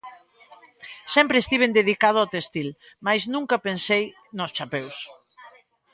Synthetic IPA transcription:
sɛmpɾest̪iβ̞end̪eðikað̞ʊat̪est̪il | majznũŋkɐpensej | nʊst͡ʃapews

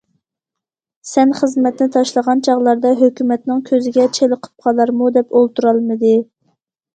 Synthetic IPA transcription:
sɛnχəzmɛt̪nɪt̪ʰɑʃlˠəʁɑnt͡ʃʰɑʁlˠɑɾd̪ɑɦøkʲymɛt̪nɨŋkʲʰøzɪɡʲɛt͡ʃʰeləqʰə̥p̚qʰɑlˠɑɾmud̪ɛpolˠt̪uɾɑlˠmɨd̪ɨ

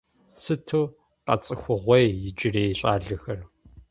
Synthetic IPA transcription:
sɨtʰuː | qɐ̰t͡sʼɨxʷʊʁʷɔjjɪd͡ʒɪreːjɕʼaːɮɐxɐr

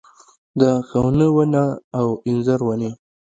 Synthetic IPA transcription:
d̪əxawnəwənaːwɪnzaɾwane

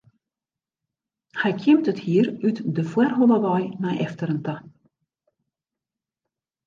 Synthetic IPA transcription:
hɛjkʰjɪmtəthiərytdəfwɛrɦolˠəʋɔjnajʔɛftəɾənta

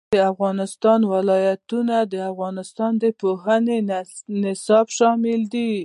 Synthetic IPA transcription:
əafɣɑnɪst̪ɑnwalɑjat̪unad̪əafɣɑnɪst̪ɑnd̪əpoɦənenɪsɑbʃɑmɪld̪i

